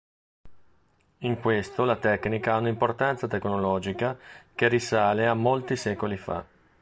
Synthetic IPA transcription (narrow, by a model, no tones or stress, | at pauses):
iŋkwest̪olat̪ɛknikaaunaimport̪ant̪sat̪eknolɔːd͡ʒikak̟erisaːleamːolt̪isɛːkolifa̰